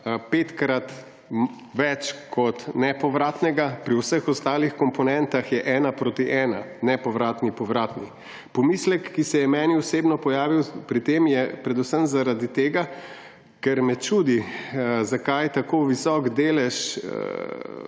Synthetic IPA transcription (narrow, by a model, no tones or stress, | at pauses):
pet̪kɾat̪ | ʋɛt͡ʃkʰɔt̪nɛpɔʋɾaːt̪nɛɡapɾiwsəxɔst̪aːlixkɔmpɔnɛnt̪axjɛʔɛːnapɾoːt̪iʔɛːnanɛpɔʋɾaːt̪nipɔʋɾaːt̪ni | pɔmislɛkːisɛjɛmɛniɔseːbnɔpɔjaːʋiwpɾit̪eːmjɛpɾɛd̪usəmzaɾad̪it̪eːɡa | kɛɾmɛt͡ʃuːd̪izakajt̪akoːʋisɔɡd̪eːlɛʃ